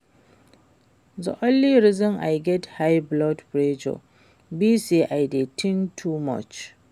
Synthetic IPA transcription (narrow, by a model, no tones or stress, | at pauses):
zɔ̰ʔɔlːiɾɪzɪmʔajɡɛthajblɔdpɾed͡ʒo̰ | bisiʔajdetɪŋtʰumɔ̰t͡ʃ